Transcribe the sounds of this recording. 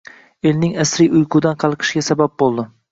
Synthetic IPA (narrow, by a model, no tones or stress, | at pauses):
elnɪŋasɾijʊjqʰʊd̪anqʰɑlˠqʰɨ̥ʃɡʲasabap̚bolˠd̪ɪ